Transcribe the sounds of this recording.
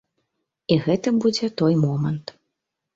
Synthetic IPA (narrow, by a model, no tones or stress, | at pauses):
iɣɛt̪ɐbud͡zʲɛt̪ɔjmɔmɐnt̪